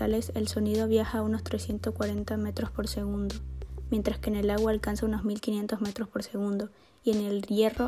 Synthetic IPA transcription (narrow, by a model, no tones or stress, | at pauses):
ale̞selso̞nið̞o̞βjaxaːuno̞st̪ɾe̞sje̞nt̪oskwaɾe̞nt̪ame̞t̪ɾo̞spo̞ɾse̞ɣund̪o̞mje̞nt̪ɾaskeːne̞laɣwaːlkansauno̞zmilkinje̞nt̪o̞zme̞t̪ɾo̞spo̞ɾse̞ɣund̪o̞ | ie̞ne̞lje̞ro